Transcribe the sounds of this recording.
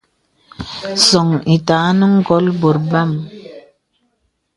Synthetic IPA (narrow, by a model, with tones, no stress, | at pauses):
sɔ˨ŋi˨taː˨˦nu˦ŋɡɔ˨˦lbo˨ɾba˦˨m